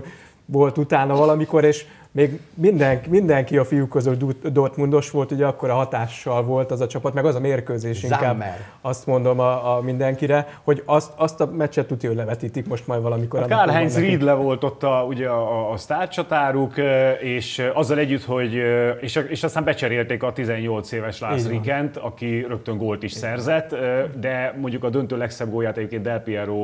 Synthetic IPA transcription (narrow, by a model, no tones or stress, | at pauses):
ʋo̞lt̪ut̪aːnɒvɒlɒmiko̞ɾeːʃ | meːɡmind̪ɛŋkmind̪ɛŋkiɒfijukːøzyld̪ud̪o̞rt̪mund̪o̞ʃʋo̞lt̪uɟɛɒkːo̞ɾɒɦɒt̪aːʃːɒlvo̞lt̪ɛzɒt͡ʃɒpɒt̪mɛɡɒzɒmeːrkøːzeːʃʃikaːbːr | ɒst̪mo̞nd̪o̞mmind̪ɛŋkiɾɛho̞ɟɒst̪ɒst̪ɒmɛt͡ʃːɛt̪ːut̪iølːɛvɛt̪iːt̪ikmo̞ʃt̪mɒjd̪ʋɒlɒmikokarɦɛɲsriːd̪lɛvo̞lt̪o̞t̪ːɒuɟɛɒːst̪aːrt͡ʃɒt̪aːɾukeːʃɒzːɒlɛɟːyt̪ho̞ɟeːʃeːʃɒst̪aːmbɛt͡ʃɛɾeːlt̪eːkɒt̪izɛɲːo̞lt̪seːvɛʃlasrikɛnt̪ɒkirøk̚t̪øŋɡoːlt̪iʃsɛrzɛt̪ːd̪ɛmo̞ɲɟukɒd̪ønt̪øːlɛksɛb̚ɡoːjaːt̪ɛɟeːpkeːnt̪d̪ɛlpiɛɾoː